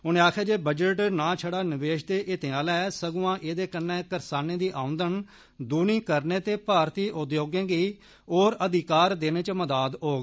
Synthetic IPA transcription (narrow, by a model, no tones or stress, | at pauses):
ʊnẽːaːkʰaːd͡ʒeːbəd͡ʒəʈnãːt͡ʃʰəɽaːnɪʋeːʃd̪eːʔɪt̪eãːlɛːsəɡʊːãːʔeːd̪eːkənːɛ̃ːkəɾsaːneːd̪iːʔãːʊ̃nd̪ən | d̪uːniːkəɾneːt̪eːpaːɾt̪iːʔʊd̪joːɡẽːɡiː | oːɾəd̪ɪkaːɾd̪eːneːt͡ʃəməd̪aːd̪ɦoːɡ